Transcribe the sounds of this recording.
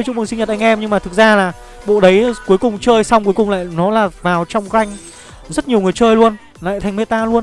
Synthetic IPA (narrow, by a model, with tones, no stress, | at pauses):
jt͡ɕʊ̰˧˥ŋ͡mmɨ˨˩si˧ɲə˨˩t̚ʔa˧ŋʔɛ˧mɲɨ˧ŋmaː˨˩ɨ˨˩k̚zaː˧laː˨˩ | ɓo̰˧˨ɗə˨˦jku˨˦jkʊ˨˩ŋ͡mt͡ɕəː˧jsa˧wŋ͡mku˨˦əjkʊ˨˩ŋ͡mla̰ː˧˨jnɔ˨˦laː˨˩vaː˨˩wt͡ɕɔ˧wŋ͡mɣa˧jŋ̟ | zə˦˥t̚ɲi˨˩əwŋɨ˨˩jt͡ɕəː˧jlu˧ən | la̰ː˧˨jt̪ʰjŋme˧˥t̪aː˧lu˧ən